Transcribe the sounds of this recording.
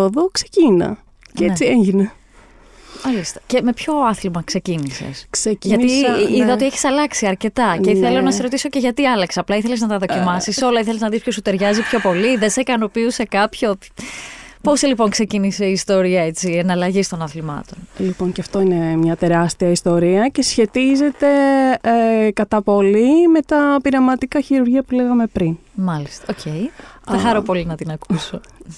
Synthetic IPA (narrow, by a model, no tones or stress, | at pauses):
oðoksecinɐ̰ | cet͡sieɲʝine | mɐlist̪ece̞me̞pço̞ɐθlimɐkse̞cinisḛskseʝɐiiðɐot̪ieçi̥sɐlɐksiɐɾce̞t̪ɐeiθelonɐseɾot̪iso̞ce̞ʝɐt̪iɐlɐkseɐplɐiθe̞leznɐt̪ɐðo̞cimɐsiso̞lɐiθeleznɐðispços̬ut̪e̞ɾʝɐzipço̞po̞liðensekɐno̞piuse̞kɐpço̞̥ | po̞silipo̞ŋkse̞cinise̞iːst̪o̞ɾiɐet͡sienɐlɐʝist̪o̞nɐθlimɐ̰t̪o̞nlipo̞ŋcɐft̪o̞inemɲɐt̪e̞ɾɐst̪iɐist̪o̞ɾiɐce̞sçe̞t̪ize̞t̪e̞ | kɐt̪ɐpo̞lime̞t̪ɐpiɾɐmɐt̪ikɐçiɾuɾʝiɐpuleɣɐme̞pɾin | mɐlist̪ɐ̥ocʰe̞jθɐxɐɾopo̞linɐt̪inɐkuso